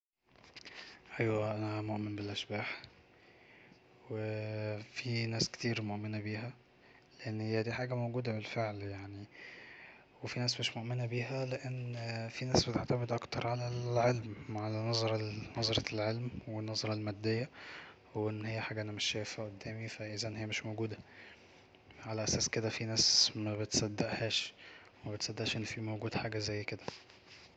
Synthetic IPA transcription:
ʔæjwæʔænæmoʔmenbelʔæʃbaːħ | wefinæːske̥t̪iːɾmoʔmenæbiːhæ | leʔenːhɪjːæd̪iːħaːɡæmowɡuːd̪æbelfeʕljaʕni | wefinæːsmeʃmoʔmenæbiːɦæleʔenːfinæːsbet̪eʕt̪æmed̪ʔɑkt̪ɑɾˤʕalæʕelmʕalænɑzˤɑɾˤɑnɑzˤɑɾˤɑlʕelmwenːɑzˤɑɾˤɑlmæd̪ːejːæ | weʔenːhejːæħaːɡæʔænæmeʃːæːfæʔod̪ːæːmifæʔizænhejːæmeʃmoɡuːd̪æ | ʕalæʔæsæːsked̪æfinæːsmæbet̪sæd̪ːæʔhæːʃ | emæbet̪sˤæd̪ːeʔʃʔenːfiːmoɡuːd̪ħaːɡæzæjːked̪æ̥

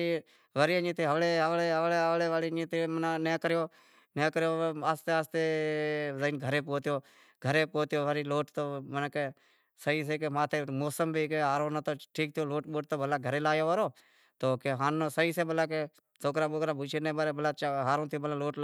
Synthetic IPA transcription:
ʋəɾiːəɲĩːt̪eːɦəʋleːɦəʋleːɦəʋleːɦəʋleːʋaːliĩːt̪eːmənaːneːkəɾjoː | neːkəɾjoːaːst̪eːaːst̪eːzəinɡʱəɾeːp̬oːt̪joː | ɡʱəɾeːpoːt̪joːʋəɾiːloːʈt̪oːmənːke | səiːs̬eːkemaːt̪ʰeːmoːsəmbʱiːkeːɦaːɾõːnt̪oːʈʰiːk̚t̪ʰɪjoːloːʈɓoːʈ̚t̪oːbəlaːɡʱəɾeːlaːjoːəɾoː | t̪oːkeɦaːnːoːsəiːseːbəlaːk̬e | soːkɾaːɓoːkɾaːbuːt͡ʃʰeneːbəɾeːbəlaːt͡ʃːɦaːɾõːt̪ʰɪjoːbəlaːloːʈ

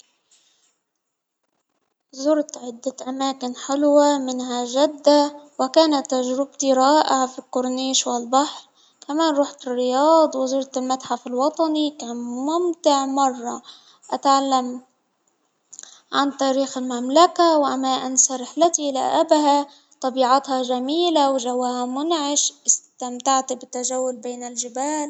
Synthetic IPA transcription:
zʊɾt̪ʕɪd̪ːaʔamaːkɪnħɪlwamɪnɦaʒad̪ːawɪkaːnat̪ːaʒɾɪb̚t̪iɾˤɑːʔɪʕafikːʊɾniːʃwɪlbaħɾ | kamaːnɾuːħt̪ɪrːɪjɑːd̪ˤwɪzʊɾt̪ɪlmat̪ħafɪlwɑt̪ˤɑnikaːnmʊmt̪ɪʕmɑrˤːɑ̰ | ʔat̪ʕalːam | ʕant̪aːɾiːxɪlmamlakawʔamaːʔɪnsaɾˤɪħlat̪ila̰ʔabha | t̪ˤɑbiːʕɑt̪hɑʒamiːlawʒawːahamʊnʕɪʃʔɪst̪amt̪aʕt̪bɪt̪ːaʒawːʊlbeːnɪlʒɪbaːl

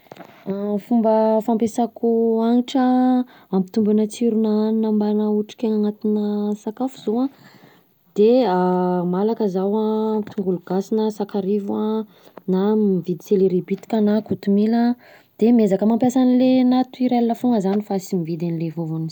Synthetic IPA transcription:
afumbəfampesakuaŋiʈ͡ʂə | ampi̥t̪umbanət͡siɾunaːninəmbanauʈ͡ʂi̥kʲeŋaŋat̪inəsakafuz̥oa | d̪̥eamalakəzawḁt̪uŋɡuluɡ̥asinəsakaɾivua | namivid̪i̥seleɾibit̪i̥kʲanakut̪umilə | d̪̥emezakəmampjasanilenat̪uiɾelinəfuŋɡəzanifasimivid̪anilevovani

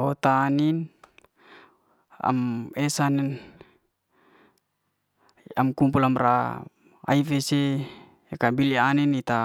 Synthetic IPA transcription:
ot̪aːnin | a̰mɛsanɛn | amkumpulamra̰ | a̰ifeseː | kabilianinit̪a

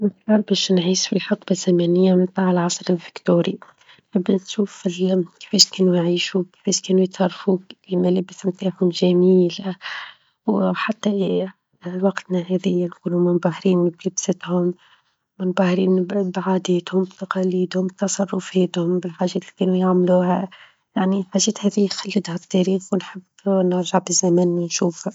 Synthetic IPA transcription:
mɪsɾɑɾˤbɛːʃnʕiːsfilħɑqbazæmɛnɪjːamɪnt̪ˤaːʕəlʕɑsˤɾɪlfɪkt̪uːɾi | nħɪbːnʃuːfɪlki̥fɛːʃkɛːnujʕiːʃuki̥fɛːʃkɛːnujɪt̪sɑrˤːfuimælɪbsmt̪aːħhʊmʒæmiːla | wħat̪ːa | wɑqt̪næɦɛːðɪjːanquːlumɪnbahɾiːnblɪbsɪt̪hʊmː | ɪnbahɾiːnbbʕaːd̪ɛːt̪hʊmbt̪ɑqɑliːd̪hʊmt̪ɑsˤɑrˤːʊfɛːt̪hʊmbɪlħaːʒɛːt̪likɛːnujaʕmluːhæ | jaʕniħaʒːɛːt̪hɛːðixalːɪd̪hat̪ːɑɾiːxwnħɪb | nɑɾˤʒaʕbɪzæmænːinʃuːfa

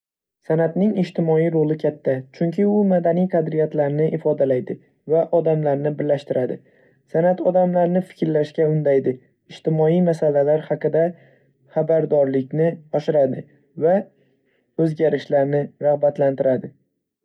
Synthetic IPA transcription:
sanat̪nɪŋɪʃt̪ɪmɒijɾolɪkʲʰat̪ʰːat͡ʃʰʊŋkʲʰɪʊmad̪anijqʰɑd̪ɾɪjat̪laɾnɪʔɪfɒd̪alajd̪ɪ | vaʔɒd̪amlaɾnɪbɪɾlaʃt̪ɪɾad̪ɪ | sanat̪ʰɒd̪amlaɾnɪfɪ̥kʲɾlaʃkʲaʊnd̪ajd̪ɪ | ɪʃt̪ɪmɒijmasalalaɾhaqɨd̪a | χabaɾd̪ɒɾlɪkʲnɪɒʃɪɾad̪ɪ | va | ɵzɡʲaɾɪʃlaɾnɪɾaʁbat̪lant̪ɪɾad̪ɪ

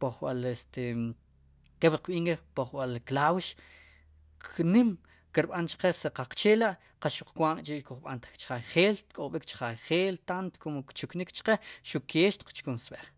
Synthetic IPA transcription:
poχɓalest̪e | keɓɾqɓiːŋkepoχɓalklawʃ | kʰnim | kiɾɓant͡ʃḁqeseqaq͡χt͡ʃeːlaʔ | qasʃuq͡χkwaŋkʼt͡ʃikuχɓa̰nt̪t͡ʃχajχeːlt̪kʼoɓikt͡ʃχajχeːlt̪ant̪o̥komkt͡ʃuknikt͡ʃqeʃukʰeːʃt̪i̥q͡χt͡ʃkunsɓeχ

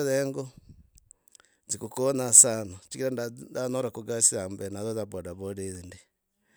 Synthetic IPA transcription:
ðɛŋɡo | zikokonasanot͡ʃikiɾandadanɔɾakoɡasiambɛnaðozaβɔdaβodeðende

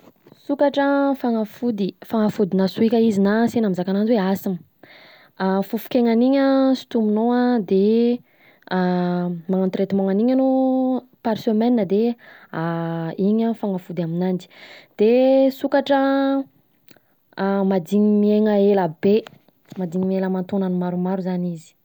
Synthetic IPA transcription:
sukaʈ͡ʂəfaŋafud̪ifaŋafud̪inasuikʲəizinasenamizakananziweasim | fufu̥kʲeŋaniɲəsi̥t̪umunoad̪e | maŋant̪ɾet̪imoŋaniɲanopaɾsømɛnnəd̪eaiɲəfaŋafud̪aminand͡ʒi̥d̪̥esukaʈ͡ʂə | mad̪iɲimieŋəeləbe | mad̪iɲimeləmant̪onanimaɾumaɾuzanizi̥

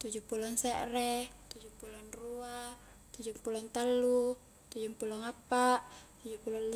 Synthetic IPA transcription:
t̪ud͡ʒupulɔŋsɛʔɾɛt̪ud͡ʒupulɔnrua | t̪ud͡ʒumpulɔŋt̪alːu | t̪ud͡ʒuŋpulɔŋapːaʔt̪ud͡ʒupulɔn

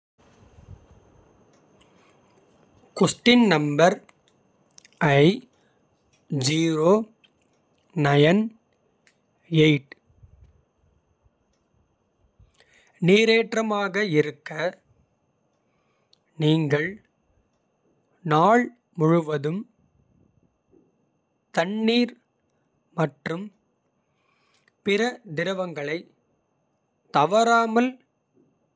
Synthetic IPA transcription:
kʊsʈɪnnɐmbɐɾ | ʔɐɪ | d͡ʒiːɾoː | nɐjɐn | eɪʈ | niːɾeːʈrɐmaːɣɐɪɾɯkːɐ | niːŋɡɐɭ | naːɭ | mʊɻʊʋɐðɯm | t̪ɐɳːiːɾ | mɐʈrɯm | pɪɾɐd̪ɪɾɐʋɐŋɡɐɭɐɪ | t̪ɐʋɐɾaːmɐl

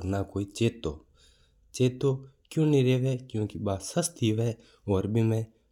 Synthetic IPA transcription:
ɾnakoːiːt͡ʃeːt̪oː | t͡ʃeːt̪oːkjũːnĩːɾeːʋeːkjũːkibaːsəst̪iʋɛː | oːɾbʱimɛ̃ː

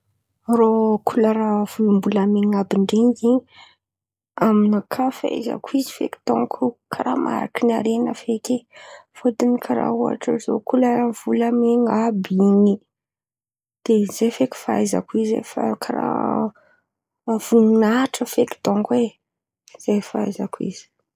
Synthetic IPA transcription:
rokʰulaɾav̥ulumbulameŋabiɳɖ͡ʐeŋɡi | aminakʰafa̰za̰kuizi̥fḛki̥d̪̥o̰ŋkʰukʰaɾa̰ma̰ɾa̰kinaɾenəfekefod̪inikʰaɾa̰ua̰ʈ͡ʂəzo̰kʰulav̥ulameŋabini | d̪̥ezefeki̥fa̰jza̰kuizḛfa̰kʰaɾa̰ | v̥ununaʈ͡ʂəfekd̪oŋkwe | z̥ajfa̰jzakwḭz̥i̥

